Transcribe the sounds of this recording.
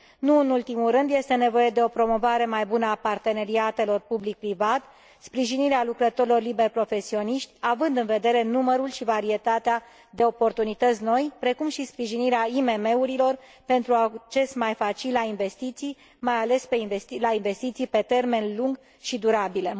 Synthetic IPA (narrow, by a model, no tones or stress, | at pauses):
nuɨnult̪imulɾɨnd̪je̞st̪e̞ne̞vo̞je̞d̪e̞o̞pɾo̞mo̞vaɾe̞majbunəapart̪e̞ne̞ɾiat̪e̞lo̞rpublik̚pɾivat̪ | spɾiʒiniɾealukɾət̪o̞ɾilo̞rlibe̞rpɾo̞fe̞sio̞niʃt̪ʲavɨnd̪ɨnve̞d̪e̞ɾe̞numəɾulʃivaɾie̞t̪at̪ea | d̪e̞o̞po̞rt̪unit̪ət̪sʲno̞jpɾe̞kumʃispɾiʒiniɾeaime̞me̞uɾilo̞r | pe̞nt̪ɾuat͡ʃe̞smajfat͡ʃilainve̞st̪it̪sij | majale̞speinvest̪ilainve̞st̪it̪sijpe̞t̪e̞rme̞nluŋɡ | ʃid̪uɾabile̞